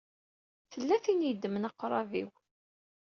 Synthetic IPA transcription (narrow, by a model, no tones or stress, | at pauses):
θəlːæθinjəd̪ːmənɑqːɾˤɑvḭw